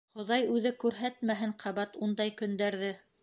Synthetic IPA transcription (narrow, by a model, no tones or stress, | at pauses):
χŏðɑjʉðɘkʉɾɦæt̪mæɦɘɴqʰɑβɑt̪und̪ɑjkɵ̆nd̪æɾðɘ